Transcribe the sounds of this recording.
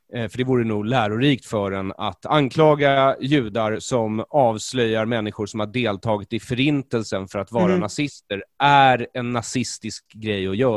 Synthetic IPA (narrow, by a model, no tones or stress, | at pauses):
fœɖɛvuːɾənuːɡlæːɾʊɾiːkt̪fœɖɛna̰t̪ankʰlɑːɡajʉ̟ːd̪aɾsɔmɑːvslœjːaɾmɛnːɪɧʊɾʂɔmhaɖeːlt̪ʰɑːɡɪt̪ɪfœɾɪnt̪əlsənfœɾat̪vɑːɾanasɪst̪əɾʔæɾɛnːasɪst̪ɪskɡɾɛjːɔjœː